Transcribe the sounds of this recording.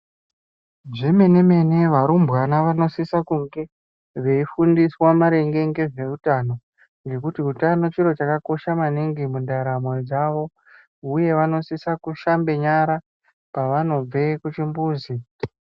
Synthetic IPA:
ʐeme̞neme̞ne̞ʋaɾumbwanaʋano̞sisakuŋɡe̞ | ʐe̞ifundiswamaɾe̞ŋɡe̞ŋɡe̞ʐe̞utano̞ | ŋɡe̞kutiutano̞t͡ʃiɾo̞t͡ʃakako̞ʃamaniŋɡimundaɾamwed͡zaʋo̞ | uje̞ʋano̞sisakuʃambe̞ɲaɾa | paʋano̞b͡ve̞kut͡ʃimbuːzi

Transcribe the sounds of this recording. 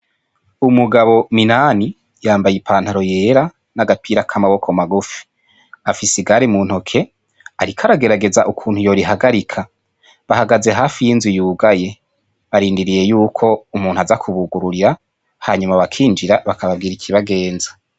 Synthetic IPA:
umuɡaβo̞minani | jaːmbajipʰaːn̥haɾo̞je̞ːɾa | naɡapʰiːɾakʰamaβo̞kʰo̞maɡufi̥ | afisiɡaɾimuːn̥hokʰe̞ | aɾikʰaɾaɡe̞ɾaɡe̞zaʔukʰuːn̥hujo̞ɾiɦaɡaɾikʰa | βaɦaɡaze̞ɦaːfijiːnzijuːɡaje̞ | βaɾiːndiɾije̞juːkʰo̞umuːn̥uazakʰuβuɡuɾuɾiɾa | haːɲumaβakʰiːnd͡ʒiɾaβakaβabɡiːɾikʰiβaɡe̞ːnzḁ

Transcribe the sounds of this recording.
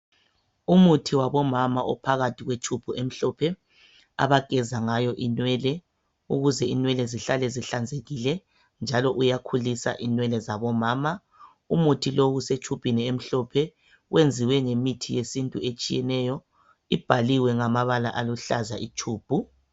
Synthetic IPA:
umutʰiwaβɔmamaʔɔ̰pʰaɣatʰiɣwet͡ʃʰub̥ʱuʔem̩ɬɔpʰɛ | a̰βaɡ̥ʱɛzaŋajɔʔinwɛːlɛ | uɣuzɛinwɛlɛziɬalɛziɬand͡zʱeɣilɛ | nd͡ʒʱalɔʔujakʰulisa̰ʔinwɛlɛzaβɔmaːma | umutʰiloɣuset͡ʃʼʰupʼiniem̩ɬɔpʰɛ | ɣwend͡zʱiwɛŋemitʰijesintʼuet͡ʃʼijɛnɛjɔ | ib̥ʱaliwɛŋamaβalaʔaluɬazaʔit͡ʃʰuːb̥ʱu

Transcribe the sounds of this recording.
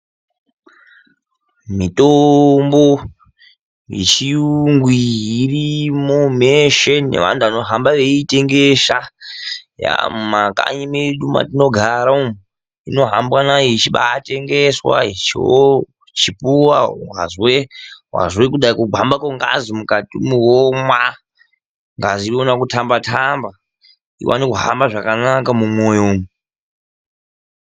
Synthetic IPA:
mitombo | ḭt͡ʃiŋɡwiːrimomeʃennḛʋa̰ntuano̞ɦambaʋe̞ite̞ŋɡeʃa | ja̰maka̰ɲimeɗuma̰tino̞ɡʱaɾaum | ino̞ɦambwanajoit͡ʃiɓa̰ːte̞ŋɡeswa̰it͡ʃio | t͡ʃipuwawa̰zwewa̰zwekuɗaikuɡʱambakoŋɡa̰zimukatimuwomwa | ŋɡaziionakutʰambatʰamba | ḭwa̰nikuɦa̰mbaʐakanakamumwo̞jomu

